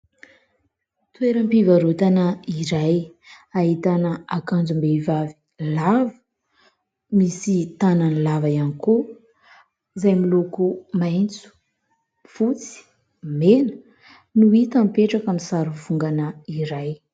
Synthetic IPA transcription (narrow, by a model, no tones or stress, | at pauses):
t̪weɾəmpivaɾut̪anəiɾaj | aɦit̪anəakand͡zumbeivavi | lavə̥ | misit̪ananilavajaniku | izajmilokumajnt͡su̥ | fut͡si̥ | menə̥ | nuit̪ampeʈ͡ʂakamisaɾuvuŋɡanəiɾaj